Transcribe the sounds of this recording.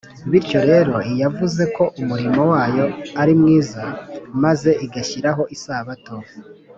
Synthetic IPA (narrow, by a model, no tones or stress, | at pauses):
βiɾco̞ɾe̞ːɾo̞ijavuze̞ko̞ʔumuɾimowaːjo̞aɾimŋiːzamaze̞ʔiɡaçiɾaɦo̞ʔisaːβato̞